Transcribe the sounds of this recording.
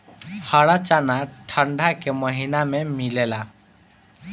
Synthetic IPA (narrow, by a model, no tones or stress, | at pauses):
həɽat͡ʃanaʈʰəɳɖʱakeməɦinamemilela